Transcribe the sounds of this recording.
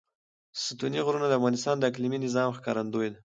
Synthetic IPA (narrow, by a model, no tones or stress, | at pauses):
sət̪uniɣɾunad̪əafɣɑnɪst̪ɑnd̪əakliminɪzɑmxkɑ̰ɾand̪ojd̪a